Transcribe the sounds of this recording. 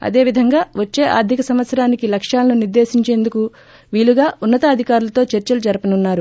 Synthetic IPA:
ɐ̰d̪e̞ːʋid̪ʱɐŋɡaːʋɐt͡ʃːe̞ːʔa̰ːɾd̪ʱikɐsɐmʋɐt̪sɐɾaːnikilɐkʂaːlɐnuniɾd̪e̞ːsiɲt͡ʃe̞ːnd̪uku | ʋiːluɡaːʔunːɐt̪ɐːd̪ʱikaːɾulɐt̪o̞ːt͡ʃɐɾt͡ʃɐlud͡ʒɐɾɐpɐnunːaːɾu

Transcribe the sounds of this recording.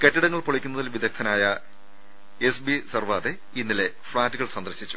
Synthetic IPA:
ketːiɽɐŋːɐɭpoɭɐkʲːunːɐðilʋid̪ɐkt̪ʰɐnaːjɐ | esbisɐrʋaːðe | inːile̞fɭaːtːɨɣɐɭsɐnd̪ɐrɕit͡ɕːu̥

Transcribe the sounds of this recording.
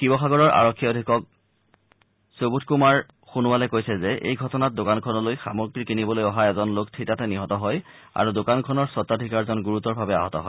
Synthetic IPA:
kibɔxaɡɔɹɔɹʔa̰ɹɔkʰːiodʱikɔk̚ | sobutʰkumaɹ | xunuwalɛkojsɛzɛʔḛjɡʱɔtɔnat̚dokankʰɔnɔlojxa̰mɔɹɡɹikinibɔlojɔɦaɛzɔnloktʰitatɛniɦɔtɔɦɔj | a̰ɹudokankʰɔnɔɹsɔtːadʱikaɹzɔnɡuɹutɔɹbʱabɛa̰ɦɔtɔ̰ɦɔɪj

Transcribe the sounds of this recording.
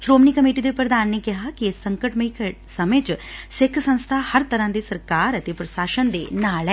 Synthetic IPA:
ʃɾoːmnikəmiːʈid̪epɾəd̪aːnːeːkɪɦakiesːə̃ŋkəʈməik | səmẽːt͡ʃsɪkʰsə̃nst̪ʰaːhəɾt̪əɾãːd̪iːsəɾkaːɾət̪eːpɾəsaːʃənd̪eːnaːlɛ

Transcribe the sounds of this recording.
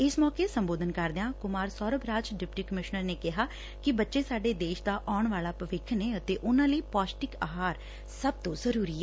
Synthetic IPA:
ɪsmɔːkeːsəmboːd̪ənkəɾd̪eãːkʊmaːɾsɔːɾəbɾaːd͡ʒɖɪpʈiːkəmɪʃnəɾneːkɪɦaː | kɪbətːʃeːsaːɖeːd̪eːʃd̪aːʔaːɳʋaːlaːpəʋɪkʰːneːət̪eːʔʊnãːləiːpaːsʈɪkaːɦaːɾ | səb̚t̪õːzəɾuːɾiːɛː

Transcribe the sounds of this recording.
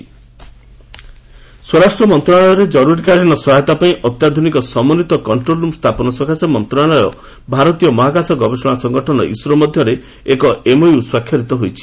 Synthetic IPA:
swɔɾasʈɾɔmɔnt̪ɾɔaɭɔjɔɾed͡ʒɔɾuɾikaɽiñɔsɔɦajt̪apaĩʔɔt̪jad̪ʱunikɔsɔmɔnit̪ɔkɔɳʈɾolumst̪ʰapɔnɔswɔkʰasɔmɔnt̪ɾɔalɔjɔ̰ | bʱaɾɔt̪ijɔmɔɦaɡasɔɡɔbesɔɽ̃asɔŋɡɔʈʰɔnɔ̰ʔisuɾɔmɔd̪ʱjɔɾe | ekɔemojuswakʰjɔɾit̪ɔɦojt͡ʃʰi̥

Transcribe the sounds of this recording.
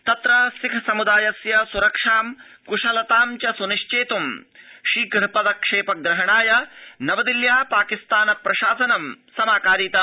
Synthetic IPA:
t̪ɐt̪ɾɐsikʰɐsɐmud̪aːjɐsjɐsuɾɐkʂaːm | kuʂɐlɐt̪aːmt͡ʃɐsuniʂt͡ʃeːt̪umʃiːkɾpɐd̪ɐkʂeːpɐɡɾɐɦɐɳaːjɐnɐʋɐd̪iljaːpaːkist̪aːnɐpɾɐʃaːsɐnɐmsɐmaːkaːɾiːt̪ɐ

